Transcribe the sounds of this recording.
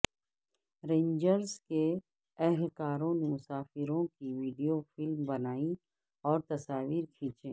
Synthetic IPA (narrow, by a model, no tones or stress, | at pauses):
ɾẽːnd͡ʒəɾske | ɛɦlkaːɾõnemʊsaːfɪɾõkiʋiːɖijofɪlmbɐnaːi | ɔːɾt̪ɐsaːʋiːɾkʰĩːt͡ʃẽː